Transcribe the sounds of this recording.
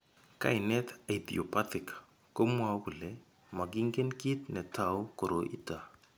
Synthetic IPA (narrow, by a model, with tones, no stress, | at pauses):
ka̰˨ɪ˨nɛ˦t̪a˨idḭo˨patɪ˨k | ko˦mwa˦kʊ˨lɛ | ma˨ki˦ŋɡe˦nki˦t̪nɛ˨ta˨wko˨ɾo˨ʔḭ˦ta